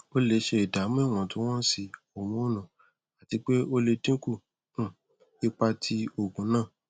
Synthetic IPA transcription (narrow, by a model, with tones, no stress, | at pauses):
o˦le˧ʃe˧i˨da˨˦mũ˦i˦˨w̃ɔ̃˧˨tũ˦w̃ɔ̃˦si˧o˨mũ˨˦˨nã˨ | a˨ti˧˦k͡pe˦o˦le˧dĩ˦ku˦˨ | ũ˦˨ | i˦k͡pa˧tʰi˧o˨ɡũ˨˦nãː˦˨